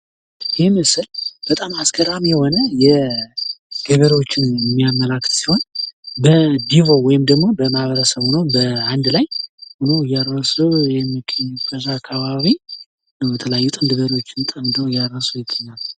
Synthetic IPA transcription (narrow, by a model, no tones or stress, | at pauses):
jɛmɨsɨlb̥ət̪ʼamaskʰəɾamjɛho̞nəjɛ | ɡ̥əβəɾot͡ʃːɪnjɛmːijamːəlakːɨ̥t̪si̥ho̞nbəd̪ivo̞wɔjɪmd̪əɡmo̞bəmahβəɾəsəβhunowbəand̪lajhunowɨjːaɾːəsuwjɛmːikʼkʼəzakʰːaβaβi | nəwjɛt̪ʰələjajːut̪ʼɨnd̪ɨbəɾo̞t͡ʃːɪnt̪ʼəmd̪ʰəwɨjːaəsujɪt̪ʼːəɲːal